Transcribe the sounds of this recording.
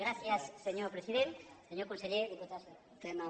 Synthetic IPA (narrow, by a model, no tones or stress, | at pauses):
ɣɾaθjasːeɲoɾpɾesiðeɾseɲoɾkonseʎejɾðepot̪aso | tena